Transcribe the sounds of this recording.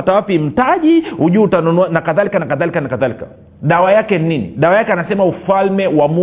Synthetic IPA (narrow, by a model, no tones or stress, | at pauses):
atawapim̩taʄihuʄutanunɔanakaðalikanakaðalikanakaðalikḁ | ɗawajakɛnininḭɗawajakɛanasɛmaufalmɛwamu